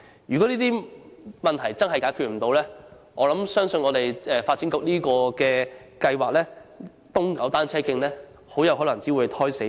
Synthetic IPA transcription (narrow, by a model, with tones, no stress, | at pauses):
jyː˨˩kɔ˨˥niː˥t̪iː˥mɐ˨nt̪ʰɐ˨˩jt͡sɐ˥nhɐ˨jkaː˨˥jkʰy˨t̚m̩˨˩t̪o˧wlɛː˥ | ɔː˨˧lɐ˨˥msœː˥ŋsɵ˧nŋɔː˨˧t̪e˨jɛː˨faː˧t̚t͡siː˨˥nkʊ˨k̚niː˥kɔː˧kɛː˧kɐ˧jwaː˨k̚lɛː˥ | t̪ʊ˥ŋkɐ˨˥wt̪aː˥nt͡sʰɛː˥kɪ˧ŋlɛː˥ | ho˨˥wjɐ˨˧wɦɔː˨˥lɐ˨˩ŋt͡si˨˥wu˨˧jt̪ʰɔː˥jse˨˥